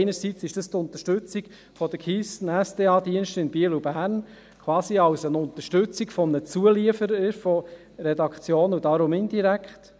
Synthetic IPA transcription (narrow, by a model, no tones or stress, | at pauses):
ɪnəɾsit͡sɪʃd̥əst̪ʊnt̪əʃtʉt͡siɡ | fɔd̥̪əkʰiːstn̩ɛsd̥eːɑːd̪iənʃtɪnb̥iəlubæːɾn | kʰwɑːsiɑwsənʊnt̪əʃtʉt͡siɡfɔmənət͡suəliəfəɾəɾfɔ | ɾɛdɑkχt͡sjoːnudɑɾomind̪iɾækχt